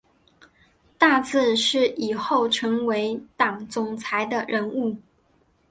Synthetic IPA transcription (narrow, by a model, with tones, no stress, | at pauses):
t̪a˥˧t͡sɹ̩˥˧ʂɻ̩˥˩i˨˩xo˥˩ʊʈ͡ʂʰɤ˧˥ŋwe˧˥ɪt̪ɑ˨˩ŋt͡sʊ˨˩ŋt͡sʰa˧˥ɪd̪ə˧ɻə˧˥nu˥˩